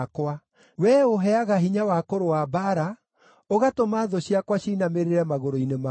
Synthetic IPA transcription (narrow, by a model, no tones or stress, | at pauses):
kwa | wɛoɦɛaɣaɦiɲawakoɾowabaɾa | oɣatomaːðɔɕiakwaɕiːnameɾeɾɛmaɣoɾoinema